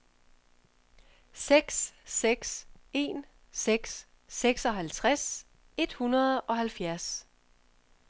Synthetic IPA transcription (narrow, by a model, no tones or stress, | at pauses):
seɡ̥sːeɡ̥se̝̰n | seɡ̥sː | eɡ̥sɒ̽ɦælt͡sʰʁas | e̝d̥hunɐð̩ˠɒ̽ɦælfjæɐ̰s